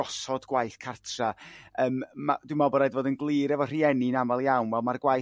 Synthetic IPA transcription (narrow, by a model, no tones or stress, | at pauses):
ɔsɔdɡwajθkʰartʰraəːmma̰d̥wɪmɔbɔɾajdvoːdənɡlˠɨːɾɛvɔr̥iɛninamalˠjawnvɛlˠmarɡwaj